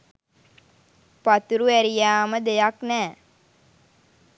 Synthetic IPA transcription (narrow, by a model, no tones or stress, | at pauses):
pat̪uɾuæɾijaːməd̪ejaknæː